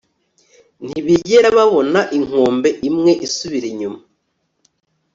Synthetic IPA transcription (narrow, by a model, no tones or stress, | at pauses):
n̥iβiɟeɾaβaβo̞naʔiŋ̥oːmbe̞ʔimŋe̞ʔisuβiɾeɲuma